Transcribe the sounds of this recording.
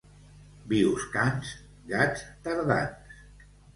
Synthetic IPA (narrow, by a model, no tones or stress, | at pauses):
biwskans | ɡat͡st̪əɾða̰ns